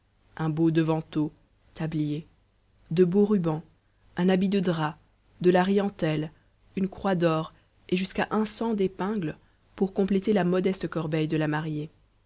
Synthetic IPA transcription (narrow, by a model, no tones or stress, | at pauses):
ɛ̃bod̪əvɑ̃t̪o | t̪ablije | d̪əboʁybɑ̃ | ɛ̃nabid̪əd̪ʁa | d̪əlaʁijɑ̃t̪ɛl | ynkχwad̪ɔːʁ | eʒyskaʔɛ̃sɑ̃d̪epɛ̃ɡl | puʁkɔ̃plet̪elamɔd̪ɛst̪əkɔʁbɛjd̪əlamaʁje